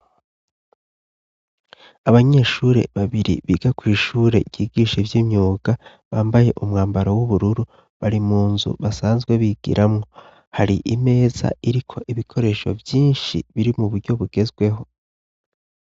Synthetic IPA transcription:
aβaɲeːʃuɾe̞̰βaβiɾḭβiːɡakwiːʃuːɾe̞̰ɟ̥iːɡiːʃevjimɲuːɡa | βaːmbaje̞ʔumŋaːmbaɾawuβuɾuɾu | βaɾimuːnzṵβasaːnzɡwe̞βiɡ̥ḭɾʔamŋo̞ | haɾiʔime̞ːza̰ʔiɾikʰo̞ʔiβikʰo̞ɾe̞ːʃo̞̰vjiːnʃḭβiɾimuβuɾɟo̞βuɡe̞zɡwe̞ɦo̞

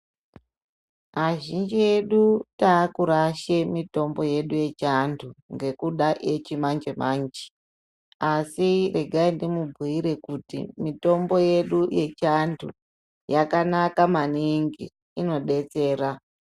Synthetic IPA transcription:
aʒind͡ʒie̞ɗutaːkuɾaʃemito̞mbo̞je̞ɗuje̞t͡ʃantʰuŋɡe̞kuɗaʔet͡ʃimand͡ʒemand͡ʒi̥ | asire̞ɡʱaindimubʱiiɾe̞kutḭmito̞mbo̞je̞ɗuje̞t͡ʃantʰṵ | jakanakamaniŋɡi | ino̞ɗe̞t͡se̞ːɾa

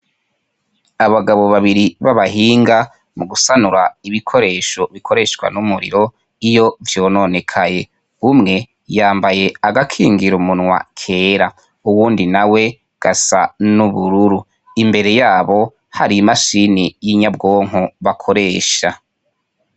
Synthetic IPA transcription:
aβaɡaβo̞βaβiɾiβaβaɦiːŋɡa | muɡusanuɾaiβikʰo̞ɾe̞ːʃo̞βikʰo̞ɾeːʃkwa̰numuɾḭɾo̞ | ijo̞vjo̞ːno̞ne̞kʰaje̞ | umŋe̞ | jaːmbaje̞aɡakʰiːŋɡiɾumunŋwa̰kʰe̞ːɾa | uwuːndinawe̞ | ɡ̥asa̰nuβuɾuɾu | imbe̞ɾe̞jaːβo̞ | haɾimaʃinijiɲabɡoːŋ̥oβakʰo̞ɾe̞ːʃa

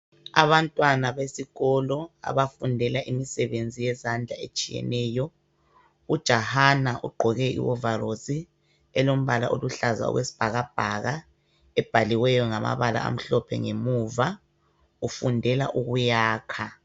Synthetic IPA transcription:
a̰βantʼwanaβesiɣɔlɔa̰βafundʱɛlaʔimisɛβend͡zʱijɛzand͡ɮʱaet͡ʃʼijɛ̰nɛːjɔ | ud̥ʒ̥ʱahanaʔṵɡ͡ǃʱɔɣɛʔḭwɔvaɾozi | ɛlom̩βalaʔoluɬaza̰ɔ̰ɣwesi̥b̥ʱaɣab̥ʱaɣa | ɛb̥ʱaliwɛjɔŋama̰βala̰a̰m̩ɬɔpʰɛ̰ŋemuva | ufundʱɛla̰ʔuɣujaːkʰa

